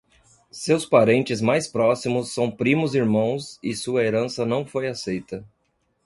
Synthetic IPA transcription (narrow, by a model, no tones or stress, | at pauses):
sewspaɾẽnt͡ʃɪzmajspɾɔsimʊsːɐ̃w̃pɾĩmʊziɾmɐ̃w̃sɪsuɐeɾɐ̃sɐnɐ̃w̃fojasejt̪ɐ